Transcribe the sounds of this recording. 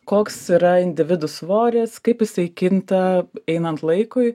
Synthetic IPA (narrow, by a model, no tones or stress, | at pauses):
koːksiːɾɐɪnʲd̪ʲɪʋʲɪd̪ʊsʋoːɾʲɛskɐɪpjɪsɐɪkʲɪnt̪ɐɛɪnɐnt̪lˠɐɪkʊɪ